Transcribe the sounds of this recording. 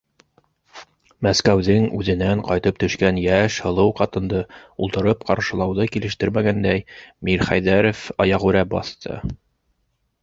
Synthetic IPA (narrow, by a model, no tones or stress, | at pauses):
mæskæwðɘŋʉðɘ̆næɴqɑjt̪ɤp̚t̪ɵ̆ʃkænjæʃhɤ̆lˠɤwqɑt̪ɤ̆nd̪ɤṵlˠt̪ɤ̆ɾɤpqɑɾʃɤ̆lˠɑwðɤkilɘ̆ʃt̪ɘɾmæɡænd̪æjmiɾχæjðæɾofɑjɑʁʉɾæbɑ̰θt̪ʰɤ̰